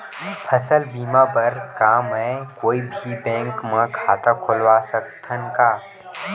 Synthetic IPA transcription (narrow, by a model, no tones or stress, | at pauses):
pʰɐsəlbiːmapɐɾkamɛ̃koːibʱibɛ̃ːŋkmãkʰaːt̪akʰʊlwaːsək̚t̪ʰənkaː